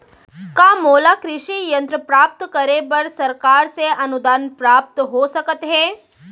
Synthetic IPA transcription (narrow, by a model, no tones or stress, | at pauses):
kaːmoːlakɾɪʃijə̃nt̪ɾəpɾaːp̚t̪kəɾebɐɾsɐɾkaːɾseɐnud̪aːnpɾaːp̚t̪ɦosɐkət̪ɦeː